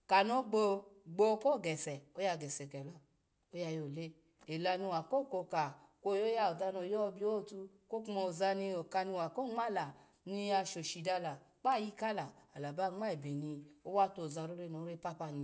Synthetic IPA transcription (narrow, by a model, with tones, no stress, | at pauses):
ka˨no˨˦ɡ͡bo˧ɡ͡bo˧˦ko˦˨ɡɛ˨sɛ˨o˦ja˧˨ɡɛ˨sɛ˨kɛ˨lɔ˧ | o˦ja˧jo˨le˦ | e˨la˧ni˧˨wa˨ko˦˨ko˧ka˨kʷo˦˨jo˦ja˧o˨da˧no˧˨jɔ˦˧bi˧˦o˦˨tu˧ | ko˦kmɔ˧˨za˧ni˧o˨ka˧ni˧˨wa˨ko˦ŋ͡ma˦˨la˨ | ni˧a˧ʃo˨ʃi˨da˧la˨ | k͡pa˦˨ji˧ka˦la˨a˨la˨ba˦ŋ͡ma˦e˨be˨ni˧o˦wa˦to˨za˧ɾo˦ɾe˧no˨˦ɾe˧pa˧pa˧ni˧˨